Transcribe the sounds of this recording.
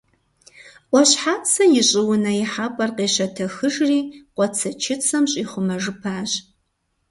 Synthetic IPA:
ʔʷɔɕħaːt͡sʰɐjɪɕʼɪwʊnɐjɪħapʼɐrqeːɕɐtʰɐxɨʒriːqʷʼɔt͡sʰɐt͡ʃʰɪt͡sʰɐmɕʼiːχʷʊmɐʒɨpʰaːɕ

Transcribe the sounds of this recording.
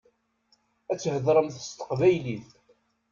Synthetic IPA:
æt͡sːhəðɾˤəmθə̥st̪ə̥qvæjliθ

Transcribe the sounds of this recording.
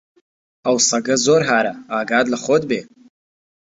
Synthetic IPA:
awsaɡɐzoːɾɦaːɾaaːɡaːdlaχoːdbeː

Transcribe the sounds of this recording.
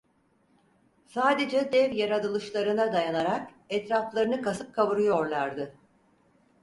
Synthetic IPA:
saːd̪e̞d͡ʒɛd̪ɛvjaɾad̪ɯlˠɯʃlˠaɾɯnad̪ajanaɾak | ɛt̪ɾaflˠaɾɯnɯkasɯp̚kʰaβɯɾɯjo̞ɾlˠaɾd̪ɯ

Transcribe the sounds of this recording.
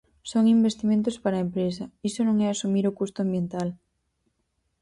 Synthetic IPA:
soŋimbest̪imẽnt̪̬ospaɾɐempɾesɐisonõŋɛasumiɾokust̪ʊambjent̪al

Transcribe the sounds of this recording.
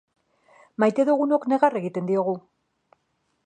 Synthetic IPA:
majt̪e̞ðuɣuno̞kne̞ɣare̞ɣit̪e̞nd̪io̞ɣ̞u

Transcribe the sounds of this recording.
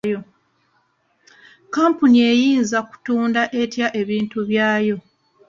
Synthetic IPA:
jo̞ | kaːmpunie̞jiːnzaku̥tuːndaʔe̞tjaʔe̞βiːntuβjaːjo̞

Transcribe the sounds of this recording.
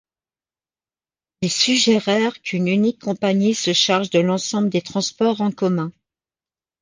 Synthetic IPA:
esyʒɛʁɛʁkʰynynikʰːɔ̃paɲisəʃaʁʒd̪əlɑ̃sɑ̃bləd̪et̪χɑ̃spɔʁɑ̃kɔmɛ̃

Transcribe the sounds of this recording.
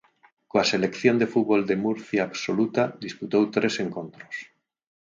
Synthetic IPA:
koaselekθjond̪efut̪βold̪emuɾθjaːβsolut̪ad̪isput̪owt̪ɾeseŋkõnt̪ɾo̥s

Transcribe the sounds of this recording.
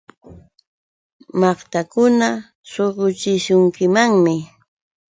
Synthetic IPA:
mɑχt̪akʊna | soɢʊt͡ʃɪʃʊŋkɪmaŋmɪ

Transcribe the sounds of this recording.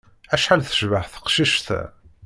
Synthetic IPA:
æʃħalθə̥ʃvəħθə̥qʃiʃt̪æ̰

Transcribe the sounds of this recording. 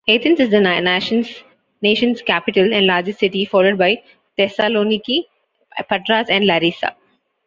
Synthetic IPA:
eːt̪ʰə̃nsɪzd̪ənnæʃə̃ns | neːʃə̃nzkæpɪʈəlɛ̃ɳɖlaːɾd͡ʒɪsʈsɪʈifɔːɾloːɖ̚baɪ | t̪ɛsaloːniki | pəʈɾaːzɛ̃ɳɖlaɾiːsa̰

